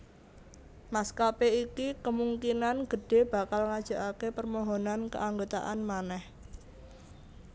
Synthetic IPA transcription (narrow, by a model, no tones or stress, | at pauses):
maskapeikikəmuŋkinanɡ̥ə̤ɖ̥e̤b̥a̤kalŋad̥ʒ̥a̤ʔakepərmɔɦonankə̰ʔaŋɡot̪a̰ʔanmanɛh